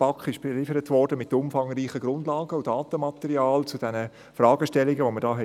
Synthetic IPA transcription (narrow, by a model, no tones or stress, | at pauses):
pɑkχɪʃb̥ɛlɪfəɾətʋɔrd̥əmɪtːʊmfɑŋriːχəɡɾʊndlɑːɡəudɑːtəmɑtɛɾiɑːlt͡sud̥ɛnə | frɑːɡəʃtɛlːɪɡəʋomədɑːɦɛ